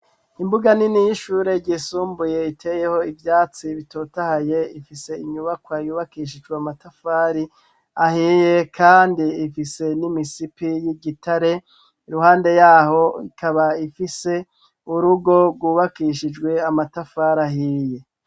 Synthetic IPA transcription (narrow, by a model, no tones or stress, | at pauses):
imbuɡaninijiʃuːɾe̞ɟisuːmbuje̞itʰe̞je̞ho̞ivjaːt͡siβito̞tahaje̞ifise̞iɲuβakwajuːβakiːʃ̬id͡ʒɡweamatafaːɾi | ahiːje̞kʰaːndiːfise̞nimisipijiɟitaɾe̞ | iɾuhaːnde̞jaːho̞ikʰaβaifise̞ | uɾuɡo̞ɡwuːβakiʃid͡ʒɡwe̞amatafaːɾaɦiːje̞